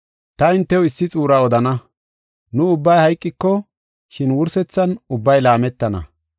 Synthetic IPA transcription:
t̪ɐɪnt̪ːɛwɪsːɪt͡sʼuːɾaɔd̪ɐnɐ | nʊʊbːɐjhɐjkʼːɪkːɔ | ʃɪnwʊɾsɛt͡sːɐnʊbːɐjlaːmɛt̪ːɐnɐ̰

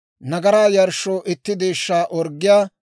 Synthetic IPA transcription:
nɐɡɐɾaːjɐɾʃːoːʔɪt̪ːɪd̪eːʃːaːʔɔɾɡːɪjaː

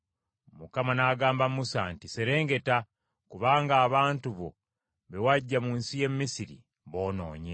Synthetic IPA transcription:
mukamanaɡaːmbamusantise̞ɾe̞ːŋɡe̞ta | kuβaːŋɡaːβaːntuβo̞̰ | βe̞waɟːamuːnsije̞mːisiɾḭ | βo̞ːno̞̰ːɲe

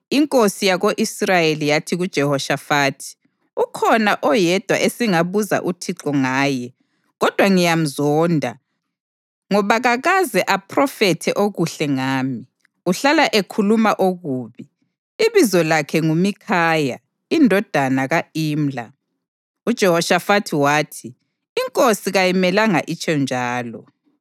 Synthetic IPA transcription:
iŋkʼosijaɣoʔisrajelijatʰiɣud̥ʒ̥ʱɛhɔʃafaːtʰi̥ | ukʰɔnaʔɔjɛd̥ʱwa̰ʔesiŋaβuza̰ʔutʰiǁɔŋaːjɛ | ɣɔd̥ʱwaŋijam̩zɔːndʱa̰ | ŋɔβaɣaɣazɛʔapʰrɔfɛtʰɛʔoɣuɬɛŋaːmi | uɬalaʔekʰulumaʔoɣuːβi | iβizɔlakʰɛŋumikʰaːja̰ | indʱɔd̥ʱanaɣaiːm̩la | ud̥ʒ̥ʱɛhɔʃafatʰiwaːtʰi | iŋkʼosiɣajimɛlaŋaʔit͡ʃʰʼɛnd͡ʒʱaːlɔ̰

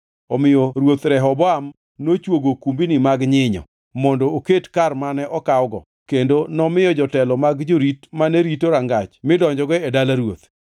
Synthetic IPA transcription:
ɔmɪjɔɾwot̪ɾɛɦɔbɔam | not͡ʃwoɡokumbinɪmaɡɲɪɲɔ̰ | mɔndɔːketkarmanɛʔɔkawɡɔ̰ | kendonɔmɪjɔd͡ʒɔtɛlɔmaɡd͡ʒoɾitmanɛɾitoɾaŋɡat͡ʃmɪdɔɲd͡ʒɔɡɔɛdalaɾwot̪

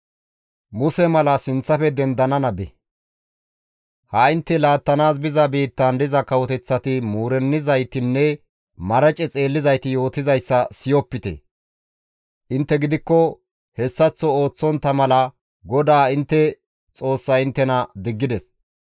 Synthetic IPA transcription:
mʊsɛmɐlɐsɪnt͡sːɐfɛd̪ɛnd̪ɐnɐnɐbɛ | hɐɪnt̪ːɛlaːt̪ːɐnaːsbɪzɐbiːt̪ːɐnd̪ɪzɐkɐwɔt̪ɛt͡sːɐt̪ɪmuːɾɛnːɪzɐjt̪ɪnːɛ | mɐɾɐt͡ʃʼɛt͡sʼe̞ːlːɪzɐjt̪ɪjo̞ːt̪ɪzɐjsːɐsɪjɔpːɪt̪ɛ̰ | ʔɪnt̪ːɛɡɪd̪ɪkːɔ | hɛsːɐt͡sːɔo̞ːt͡sːɔnt̪ːɐmɐlɐ | ɡɔd̪aːɪnt̪ːɛ | t͡sʼo̞ːsːɐɪnt̪ːɛnɐd̪ɪɡːɪd̪ɛs

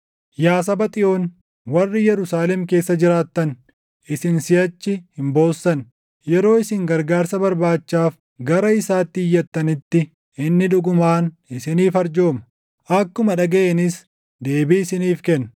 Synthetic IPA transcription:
jaːs̬ɐbɐt̪ʼɪʔo̞ːn | wɐrːɪjɛɾʊsaːlɛmke̞ːsːɐd͡ʒɪɾaːt̪ːɐn | ʔɪsɪnsɪjɐt͡ʃːɪhɪmbo̞ːsːɐn | jɛɾo̞ːɪsɪŋɡɐɾɡaːɾsɐbɐɾbaːt͡ʃːaːf | ɡɐɾɐɪsaːt̪ːɪːjːɐt̪ːɐnɪt̪ːɪ | ɪnːɪᶑʊɡʊmaːn | ɪsɪniːfɐɾd͡ʒo̞ːmɐ̥ | ʔɐkːʊmɐᶑɐɡɐʔɛnɪs | d̪e̞ːbiɪsɪniːfkɛnː

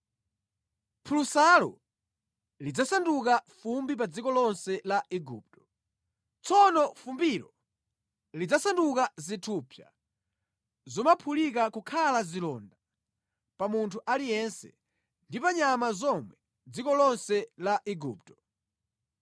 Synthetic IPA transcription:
pʰulusalɔ̰ | lid͡zasandukafumbipad͡zikɔlɔnsɛlaʔiɡuːp̚tɔ̥ | t͡sɔnɔfumbiɾɔ | lid͡zasandukazitʰupʰja̰ | zɔmapʰulikakukʰalazilɔnda | pamuntʰuʔalijɛnsɛ̰ | ndipaɲamazɔmwɛ | d͡zikɔlɔnsɛlaʔiɡuːp̚tɔ̥

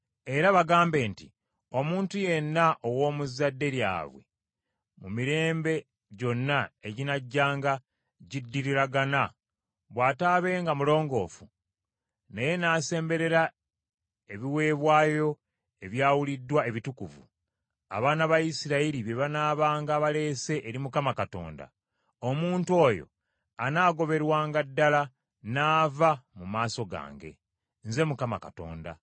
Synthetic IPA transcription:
e̞ɾaβaɡaːmbe̞ːntḭ | o̞muːntuje̞nːaʔowo̞ːmuzadːe̞ɾja̰ːβwe̞̰ | mumiɾe̞ːmbe̞ | ɟo̞nːaeɟinaɟːaːŋɡa | ɟidːiɾiɾaɡana | βwaːtaːβe̞ːŋɡamulo̞ːŋɡo̞̰ːfu | neje̞naːse̞ːmbe̞ɾe̞ɾa | e̞βiwe̞ːβwaːjo̞ | e̞βjaːwulidːwae̞βitukuvṵ | a̰βaːnaβajisiɾaiɾiβeβanaːβaːŋɡaːβale̞ːse̞ʔeɾimukamakato̞̰ːnda̰ | omuːntuo̞ːjo̞̰ | anaːɡo̞βe̞ɾwaːŋɡadːala | naːvamumaːso̞ɡa̰ːŋɡe̞̰ | nze̞mukama̰ka̰to̞̰ːnda̰

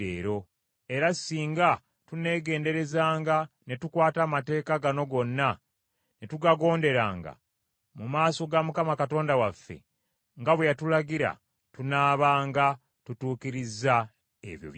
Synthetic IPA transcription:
ḛːɾo̞ | e̞ɾasiːŋɡa | tune̞ːɡe̞ːnde̞ɾe̞zaːŋɡa | ne̞tukwaːtamate̞ːkaɡano̞ɡo̞nːa | netuɡaɡo̞ːnde̞ɾa̰ːŋɡa̰ | mumaːso̞ɡamukamakato̞ːndawafːe̞̰ | ŋɡaβwejatulaɡiɾa̰ | tunaːβaːŋɡa | tutuːkiɾizːa | ḛβjo̰β

